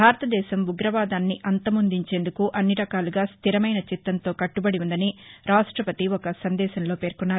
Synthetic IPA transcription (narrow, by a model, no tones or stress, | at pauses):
bʱaːɾɐt̪ɐd̪ɛːʃɐmuɡɾɐʋaːd̪aːnːiʔɐnt̪ɐmund̪iɲt͡ʃe̞ːnd̪ukuʔɐnːiɾɐkaːluɡaːst̪ʰiɾɐmɐjnɐt͡ʃit̪ːɐnt̪o̞ːkɐʈːubɐɽiund̪ɐniɾaːʂʈɾɐpɐt̪iɔkɐsɐnd̪ɛːʃɐnlo̞ːpe̞ːɾkunːaːɾu